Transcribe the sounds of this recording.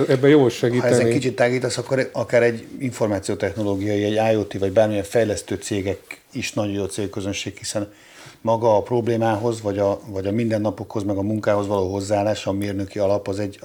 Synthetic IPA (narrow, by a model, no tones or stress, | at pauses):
ɛbːɛjoːʃɛɡiːɛzzɛkit͡ʃit̪ːaːɡiːt̪ɒsɒkːoɾɒkaːɾɛɟːiɱformaːt̪sijoːt̪ɛxno̞loːɡijɒjiɛɟaːjoːt̪ivɒɟbaːrmijɛɱfɛjlɛst̪øːt̪seːɡɛk | iʃnɒɟojoːt̪seːlkøzø̞nʃeːkhisɛn | mɒɡɒːpro̞bleːmaːɦo̞zvɒɟɒvɒɟɒmind̪ɛnːɒpo̞kho̞zmɛɡɒmuŋkaːɦo̞zvɒloːɦo̞zːaːlaːʃɒmeːrnø̞kiɒlɒpɒzɛɟ